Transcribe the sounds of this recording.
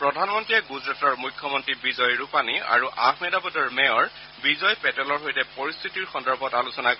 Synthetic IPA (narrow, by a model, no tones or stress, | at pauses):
pɹɔdʱanmɔntɹiɛɡuzɹatɔɹmukʰːɔmɔntɹibizɔjɹupania̰ɹuʔaxmɛdapɔdɔɹmɛɔɹ | bizɔjpɛtɔlɔɹɦojtɛpɔɹist̪ʰitiɹxɔndɔɹbʱɔtalusɔnak